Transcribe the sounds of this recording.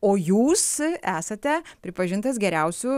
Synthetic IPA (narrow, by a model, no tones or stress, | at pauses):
oːjuːsæːsɐt̪ʲɛpʲɾʲɪpɐʒʲɪnt̪ɐs̬ɡʲɛɾʲɛʊsʲʊ